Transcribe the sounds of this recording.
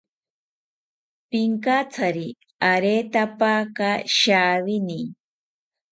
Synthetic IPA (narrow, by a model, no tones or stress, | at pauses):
pɪŋkat͡sʰaɾi | aɾeːt̪apakaʃaːβɪni